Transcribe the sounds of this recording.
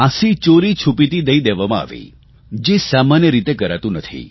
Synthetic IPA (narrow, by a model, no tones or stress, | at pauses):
ãsit͡ʃoɾit͡ʃʰupit̪id̪əid̪eʋamãa̰ʋḭ | d͡ʒesamanjəɾit̪ekəɾat̪ũnət̪ʰḭ